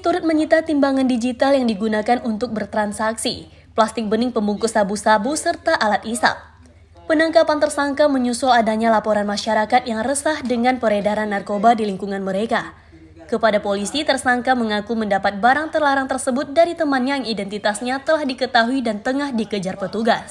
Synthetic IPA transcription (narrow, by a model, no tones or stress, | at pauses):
t̪uɾʊt̪̚məɲit̪at̪imbaŋandid͡ʒit̪aljaŋdiɡunakanunt̪ʊk̚bərt̪ɾansaksḭ | plast̪ɪk̚bənɪŋpəmbuŋkusabusabusərt̪aʔalat̪isa̰l̚ | pənaŋkapant̪ərsaŋkaməɲusuladaɲalapoɾanmaʃaɾakat̪̚jaŋrəsahdəŋanpəɾedaɾanːarkobadiliŋkuŋanməɾeka | kəpadapolisit̪ərsaŋkaməŋakuməndapat̪̚baɾaŋt̪ərlaɾaŋt̪ərsəbʊt̪̚daɾit̪əmanɲaŋidɛnt̪it̪asɲat̪əlahdikət̪aɦuidant̪əŋahdikəd͡ʒarpət̪uɡas